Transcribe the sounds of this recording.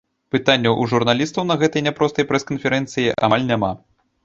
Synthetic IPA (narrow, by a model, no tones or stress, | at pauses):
pɨt̪anʲːɐʔuʐurnalʲist̪ɐwnɐɣɛt̪ɐjnʲapɾɔst̪ɐjpɾɛskɐnfʲɛɾɛnt̪sɨjiʔa̰alʲnʲama